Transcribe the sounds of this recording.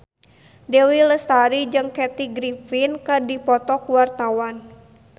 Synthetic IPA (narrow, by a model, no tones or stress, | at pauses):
dewiləst̪aɾid͡ʒɨŋkɛt̪iɡɾifinkədipɔt̪ɔkuwart̪awan